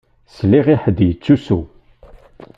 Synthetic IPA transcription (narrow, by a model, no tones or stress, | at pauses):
slːiʁiħəd̪jət͡sːusu